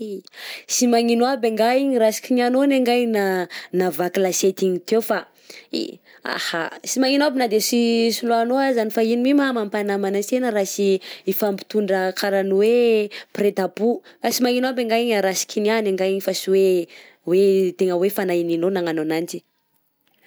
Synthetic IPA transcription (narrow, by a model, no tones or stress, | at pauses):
isimaŋinwabeŋɡaiɲiɾasi̥kʲinianoneŋɡajnanavakilaset̪iɲit̪ewfa | ḭ | a̰hasimaŋinoabinad̪esisulanoazanifainimimamampanamanatenəɾasiifampi̥t̪uɳɖ͡ʐəkʰaɾanuwepɾet̪abukasimaŋinoabeŋɡaiɲaɾasi̥kʲinianeŋɡaiɲifasiwe | wet̪eŋəwefanaininonaŋanonant͡ʃi̥